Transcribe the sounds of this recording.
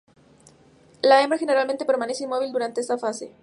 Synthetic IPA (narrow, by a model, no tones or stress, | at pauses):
laemexe̞ne̞ɾalmẽnt̪epe̞ɾmane̞seinmo̞β̞ild̪uɾant̪e̞est̪afase̞̰